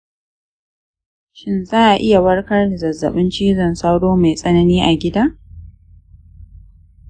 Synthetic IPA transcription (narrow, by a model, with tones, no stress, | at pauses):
ʃɪ˦nzaː˦ʔa˨ʔɪ˦ja˨wɐ˦ɽkɐ˦rda˨zɐ˨zːɐ̰˨ɓɪ˦nt͡ʃiː˦zɐ˨nsa˦wɽoː˦me˨jsʼɐ˦nɐ˦niː˦ʔa˨ɡʲɪ˦daː˦